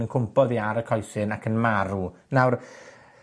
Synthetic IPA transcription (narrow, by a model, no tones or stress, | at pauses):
ənkʰʊmpʰɔðiaɾəkʰɔjθɨnakʰənmaɾunawr